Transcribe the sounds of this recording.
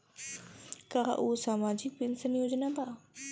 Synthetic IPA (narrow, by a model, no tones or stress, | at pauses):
kaɦa̰ʔoːsaːmaːd͡ʒɪk̚pɪnsənjoːd͡ʒnaːbaː